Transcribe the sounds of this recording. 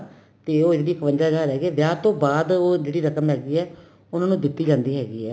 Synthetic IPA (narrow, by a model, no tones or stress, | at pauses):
t̪eːoːɪɽiːkʋənd͡ʒaːd͡ʒaːɾɦɛːɡiɛːʋjaːt̪õːbaːd̪oːd͡ʒeːɽiːɾəkəmɦɛːɡiːɛː | ʊnãːnũːd̪ɪt̪ːiːd͡ʒãːnd̪iːɦɛːɡiːɛː